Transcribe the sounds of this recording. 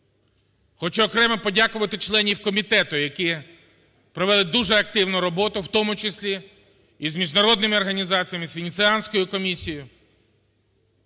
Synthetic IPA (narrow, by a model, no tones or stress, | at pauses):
xɔt͡ʃɛɔkɾɛmɛpɔdʲakʊʋɐt̪ɪt͡ʃlˠɛnʲiwkɔmʲit̪ɛt̪ʊjɐkɪ | pɾɔʋɛlˠɪd̪uʒɛɐk̚t̪ɪwnʊɾɔbɔt̪ʊwt̪ɔmʊt͡ʃesʲlʲi | izmʲiʒnɐɾɔd̪nɪmɪɔrɦɐnʲizɑt͡sʲijɐmɪsʋʲenʲit̪sɪɑnʲsʲkɔjʊkɔmʲisʲijʊ